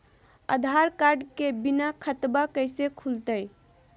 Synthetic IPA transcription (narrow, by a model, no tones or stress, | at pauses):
ə̰d̪ʱaɾkaɾɖkebinakʰət̪bakəɪsekʰult̪əj